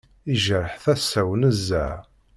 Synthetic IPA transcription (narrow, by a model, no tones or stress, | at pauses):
iʒəɾəħθæsːæwənəzːæ